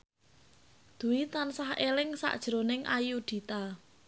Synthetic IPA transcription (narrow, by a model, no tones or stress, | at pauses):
d̪̥ṳwit̪ansahelɪŋsa̰ʔd̥ʒ̥ɾonɪŋʔajud̪̥i̤t̪a